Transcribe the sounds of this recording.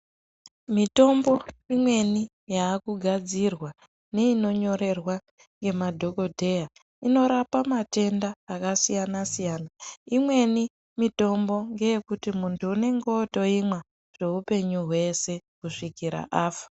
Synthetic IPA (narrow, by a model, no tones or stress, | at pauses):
mito̞mbo̞imwe̞ni | jaːkuɡʱad͡zirwa | ne̞ino̞ɲo̞ɾe̞rwa | ŋɡe̞madʱo̞ko̞dʱe̞ja | ino̞ɾapamate̞ndaːkasijanasijaːnaimwe̞ni | mito̞mbo̞ŋɡe̞jekutimuntʰuːne̞ŋɡo̞ːto̞imwa | ʐ̥e̞ɦupe̞ɲuɦwe̞se̞kuʂikiɾa̰ʔaːfḁ